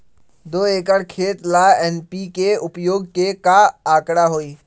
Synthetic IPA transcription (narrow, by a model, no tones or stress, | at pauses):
d̪oːeːkəɽkʰeːt̪laːɛːnpikeʊpjoːɡ̚kekaaːkɽaɦoːiː